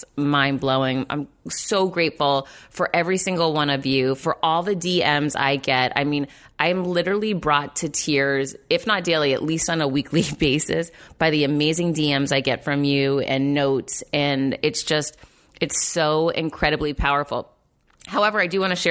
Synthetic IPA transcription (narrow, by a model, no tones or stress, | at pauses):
mãɪ̃nbloʊɪ̃ŋã̰ɪ̃msoʊɡɹeɪtfl̩ˠfə˞ʔɛvɹisɪ̃ŋɡl̩ˠwʌ̃nʌvjʉfə˞ʔɔlˠðɨdiɛ̃mza̰ɪɡɛɾa̰ɪmĩn | ʔaɪɨ̃mlɪɾə˞l̩ˠibɹɔtʰɨtʰɪɹzɨfnət̚d̥eɪlˠiɨ̰ʔˡlistn̩əwikʰlib̥eɪsɨ̰sb̥aɪðiɨmeɪzɪ̃ŋdiɛ̃mzaɪɡɛtfɹʌ̃mjʉɨ̰̃nːoʊtsɨ̃nɪtsd̥ʒ̥ʌst̚ | ɨtsoʊɪ̰̃nkʰɹ̥ɛɾɨblipʰaʊə˞fl̩ˠ | haʊɛvə˞aɪdɨwɑ̃ñɨʃɛ